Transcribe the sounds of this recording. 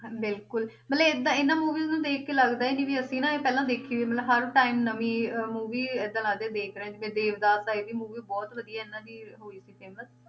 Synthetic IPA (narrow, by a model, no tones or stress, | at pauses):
bɪlkʊlmət̪ləbɪd̪ãːɪnːãːmuːʋiːznũːd̪eːkkeːləɡd̪aːiːnĩːʋiːəsĩːnãːeːpɛːlãːd̪eːkʰiːʋiːmət̪ləbɦəɾʈaːimnəmĩːəmuːʋiːɪd̪ːãːləɡ̚d̪ẽːd̪eːkʰɾɛɛ̃ːd͡ʒbẽːd̪eːʋd̪aːsaːiːʋiːmuːʋiːbɔːt̪ʋəd̪ijaːɪnːãːd͡ʒiːɦoːiːsiːpeːmət̪